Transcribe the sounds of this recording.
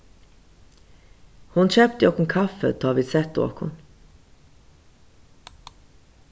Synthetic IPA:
hʊnɕøːp̚t̪əjɔkʊŋkʰɑfə̰t̪ʰːɑʋɪsɛt̪ʊo̰ːkhʊ̰n

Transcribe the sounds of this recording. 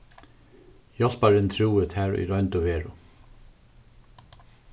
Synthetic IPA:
jɔl̥paɾɪnt̪ʰɾuːɪt̪ʰɛɹṵjɾɔɥnt̪ʊveːɹʊ

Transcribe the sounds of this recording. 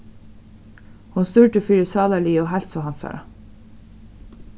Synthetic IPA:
hunst̪ʏɹt̪əfiːɾɪsɑːðaliːɔɦɛl̥sɔɦansa̰ɾa̰

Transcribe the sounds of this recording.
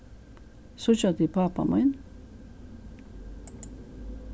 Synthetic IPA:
sʊt͡ʃat̪ɪpapa̰man

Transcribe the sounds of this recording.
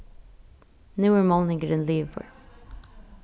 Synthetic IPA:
nʉːə˞molˠnɪ̃ŋɡəɾə̃nliːvfə̰ɹ

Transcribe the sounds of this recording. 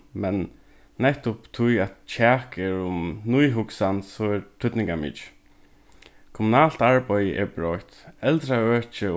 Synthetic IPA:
mɛnː | ɛht̪ʊpt̪ʰʊjatt͡ʃʰaːkɛɹʊmnujɦʊksansɔɛɹt̪ʰʏt̪nɪŋkamɪ̰t͡ʃ | kʰɔmʊnaːl̥t̪aɹbœjəʔɛ̰ɹbɹɔht̪ɛlt̪ɾaœːt͡ʃə

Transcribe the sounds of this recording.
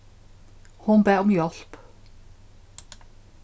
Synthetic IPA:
hʊnbeːʊmjɔlp

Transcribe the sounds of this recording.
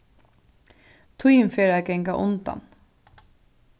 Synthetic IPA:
t̪ʰujmfeːɾæɡɛŋɡɑʔʊnd̪ɑ̰n

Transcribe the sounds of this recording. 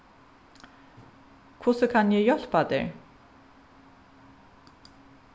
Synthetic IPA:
kʰvʊsəkʰanjɛjɔl̥pad̪ḛɹ

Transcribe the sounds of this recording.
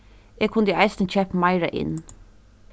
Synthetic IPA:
eːkʰʊnd̪ʔɑɪst̪n̩t͡ʃʰɛpmɑɪɾɑʔɪ̰n

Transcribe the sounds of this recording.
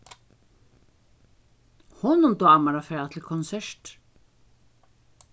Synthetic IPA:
hɔnʊmd̪ɔːamaɾafɛːðat̪ʰɪlkʰɔnsɛɹt

